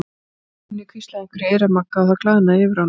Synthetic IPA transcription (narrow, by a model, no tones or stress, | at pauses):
nːɪkʰvist̪laeŋkvʏɾeːjɾamakːaawθaklaːðɪnaɛːvɪɾ̥a